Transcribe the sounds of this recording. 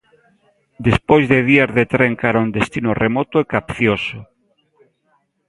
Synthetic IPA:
d̪espojzðeðiaɾðet̪ɾeŋkaɾaund̪est̪inoremot̪oekapθjoso

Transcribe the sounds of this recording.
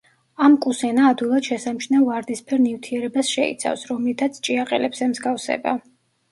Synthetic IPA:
amkʼusɛnaːd̪wilˠad̪̥ʃɛsamʃnavaɾd̪ispʰɛɾnivt̪ʰiɛɾɛbasʃɛḭt̪sʰa̰fsɾɔmlit̪ʰat̪sʰt͡ʃʼiaqʼɛ̰lɛbz̥ɛmzɡafsɛ̰ba̰

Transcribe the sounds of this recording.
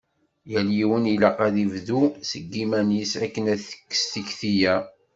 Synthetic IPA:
jæljiwənilɑqæðivðusəɡːimænjisækːənæθə̥kːə̥st̪içθijæ

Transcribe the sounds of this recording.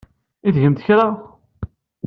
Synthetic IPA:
iðʝəmt̪çɾa

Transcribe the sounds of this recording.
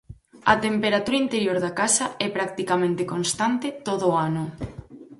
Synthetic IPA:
ɐ̰t̪empeɾat̪uɾaint̪eɾjoɾðakasɐɛpɾak̚t̪ikamẽnt̪ekonst̪ant̪et̪oðʊanʊ

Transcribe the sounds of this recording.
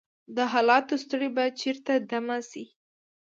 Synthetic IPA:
d̪əɦɑlɑt̪ost̪əɽebat͡ʃeɾt̪ad̪amasi

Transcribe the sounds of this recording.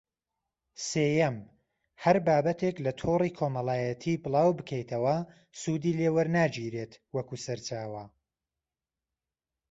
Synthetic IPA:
seːjɐm | hɐɾbaːbɐt̪ʰeklɐt̪ʰoriːkʰoːmɐlˠaːjɐt̪ʰiːbɨlˠɑːwbɨkʰɐjt̪ʰɐwɐ | sud̪iːlewɐɾnaːd͡ʒiːɾet̪wɐkusɐɾt͡ʃaːwɐ

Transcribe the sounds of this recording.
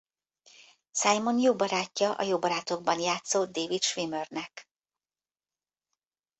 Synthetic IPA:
sajmo̞njoːbɒɾaːcːɒʔɒ̰joːbɒɾaːt̪o̞ɡ̚bɒnjaːt̪soːd̪eːvit̪ʃʋimørnɛk

